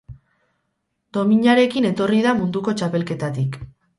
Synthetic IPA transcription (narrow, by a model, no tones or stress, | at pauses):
d̪̥o̞miɲaɾe̞kine̞t̪o̞riðamund̪uko̞t͡ʃape̞lke̞t̪at̪ik